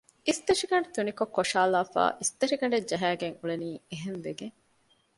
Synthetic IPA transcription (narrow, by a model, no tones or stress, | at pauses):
ist̪ɐʂiɡɐɳɖet̪unikokːoʂaːlaːfa̰ːʔist̪ɐʃiɡɐɳɖed͡ʒɐɦæːɡeŋuɭeniːeɦenʋeɡeŋ